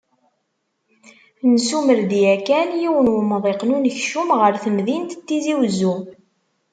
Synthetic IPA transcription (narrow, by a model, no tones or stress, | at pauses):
nsuməɾd̪iækænjiwənwəməðˤeqnunəçʃumʁəɾθəmðint̪t̪ːiziwzːu